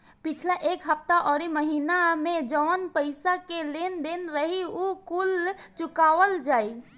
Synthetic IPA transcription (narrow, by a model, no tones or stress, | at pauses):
pit͡ʃʰlaʔekɦəp̚ʰt̪aʔɔːɾiməɦinamed͡ʒɔːnpəɪsakelend̪enɾəɦiukult͡ʃukaʋəld͡ʒai